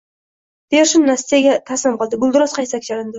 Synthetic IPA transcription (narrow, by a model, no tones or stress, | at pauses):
d̪̥eʃʊnːast̪ijaɡʲat̪ʰaslɪmqɨlˠd̪ɪbʊlˠd̪ɪɾɒsqʰɑj̪sakʲd͡ʒaɾand̪ɪ